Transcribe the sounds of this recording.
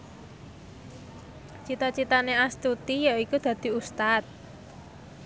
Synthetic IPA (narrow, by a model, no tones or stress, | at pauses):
t͡ʃit̪at͡ʃit̪aneast̪ut̪ijaikud̪̥ä̤d̪̥i̤ust̪at̪̚